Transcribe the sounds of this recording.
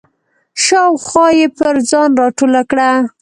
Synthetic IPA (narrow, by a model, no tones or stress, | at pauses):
ʃɑwxwɑjepəɾd͡zɑnɾɑʈolakɽa